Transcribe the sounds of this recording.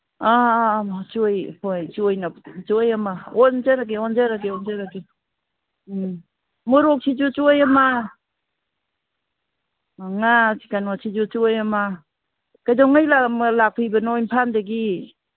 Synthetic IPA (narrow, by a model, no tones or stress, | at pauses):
a | t͡ʃujpojt͡ʃuojnat͡ʃujamaond͡ʒaɾaɡeɔnd͡ʒaɾaɡeɔnd͡ʒaɾaɡi | mɔɾɔk̚sʰid͡ʒut͡ʃujama | ŋasikanɔsʰid͡ʒut͡ʃuojama | kajdɔŋajlamlak̚pʰijbanojnpʰandaɡi